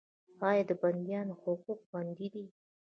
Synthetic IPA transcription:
hɑjɑd̪əband̪jɑnohʊquk̚band̪id̪i

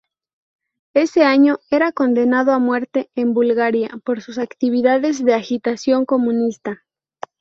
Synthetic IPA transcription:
e̞se̞aɲo̞e̞ɾako̞nd̪e̞naðo̞amwe̞ɾt̪e̞embulɣaɾjapo̞ɾsus̬akt̪iβ̞iðaðe̞zðe̞axit̪asjo̞ŋko̞mũnist̪a

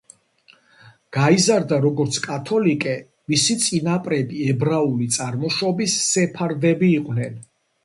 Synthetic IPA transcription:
ɡ̥aizaɾd̪aɾɔɡɔɾt̪sʰkʼat̪ʰɔlikʼɛ | misit̪sʼinapʼɾɛbiɛbɾaulit̪sʼaɾmɔʃɔbisːɛpʰaɾd̪ɛbiːqʼnɛn

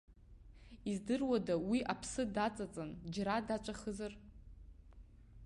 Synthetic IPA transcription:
izdɨrwadawiʔapʰsɨdat͡sʼat͡sʼand͡ʒɾadat͡ʃʷʼaχəzɨr

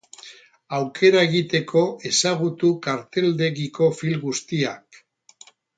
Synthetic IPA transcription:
awkʰe̞ɾae̞ɣit̪e̞kʰo̞e̞saɣ̞ut̪ukaɾt̪e̞ld̪e̞ɣiko̞filɡust̪iak

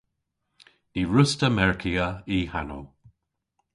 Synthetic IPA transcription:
d̥iɹʊstəmɛɹkʰiəihano̰

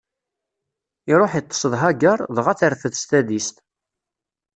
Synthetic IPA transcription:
iɾˤoħit̪ˤːə̥səðˤɦaɡəɾˤðəʁæθəɾfəðst̪æðist̪

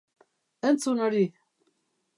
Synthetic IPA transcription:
ənt͡sunaɾi

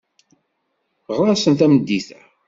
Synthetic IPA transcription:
ʁɾˤɑsənt̪æməd̪ːiθæ

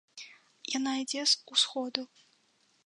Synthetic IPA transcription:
janaid͡zʲɛsusxɔd̪u

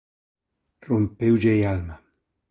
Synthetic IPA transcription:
rompewd͡ʒejalma

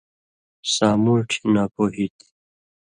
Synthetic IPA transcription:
saːmuʈʰnapoɦit̪

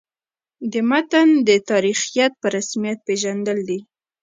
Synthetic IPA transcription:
d̪əmat̪and̪ət̪ɑɾixijat̪̚pəɾasmijat̪̚peʒand̪əld̪i

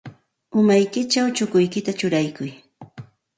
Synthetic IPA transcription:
ʊmajkɪt͡ʃawt͡ʃʊkʊjkɪt̪at͡ʃʊɾajkʊj

